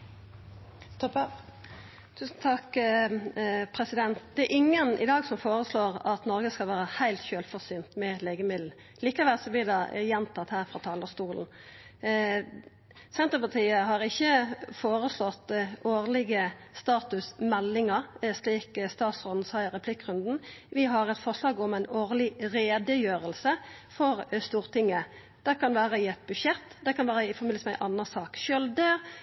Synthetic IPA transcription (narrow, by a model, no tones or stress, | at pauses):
t̪ɔp | t̪ʰʉːsn̩t̪ʰɑk | pʰɾɛsɪd̪ɛnt̪̚d̪ɛæɾʔɪŋːənʔɪ̰d̪ɑːɡsɔmfoːɾəsloːʁɑt̪nɔɾɡəskɑlʋæːɾəhæɪlt̪çøːlfɔsyːnt̪mɛleːɡəmɪd̪l̩ | liːkɑʋɛlsɔb̪ɪd̪ɑjɛnt̪ʰɑt̪hæːʁfɾɑːt̪ʰɑːləst̪uːln̩ | sɛnt̪əpɑt̪ʰiːəɦɑʁɪçːəfoːʁəslɔt̪ːoːʁlɪɡəst̪ɑːt̪ʉsmɛlːɪŋəʁsliːkst̪ɑːt̪sɔnnsɑɪʁɛpʰlɪkːʁʉnd̪n̩ʋɪɦɑʁɛt̪fɔʁʂlɑːɡɔmæɪnoːʁlɪʁeːd̪əjøːʁəlsəfɔɾst̪uːɾt̪ʰɪŋːə | d̪̥ɛkʰɑnʋæːɾəɪɛt̪̚bʉʂjɛt̪ːd̪ɛkɑnʋæːɾəɪfɔɾmɪləsmæɪʔɑnːəsɑːkʃʏld̪ə